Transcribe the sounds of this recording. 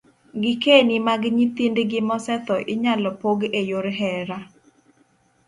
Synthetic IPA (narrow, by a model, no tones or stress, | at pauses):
ɡɪkenimaɡɲit̪indɡɪmɔsɛt̪ɔʔɪɲalɔpoɡejoɾɦɛɾa